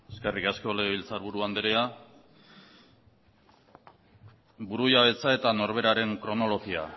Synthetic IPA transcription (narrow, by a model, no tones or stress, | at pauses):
eskerikaskoleilt͡saɾβuɾuand̪eɾea | buɾujaβe̞t͡sae̞t̪ano̞ɾβ̞e̞ɾaɾe̞ŋkɾo̞no̞lo̞ɣia̰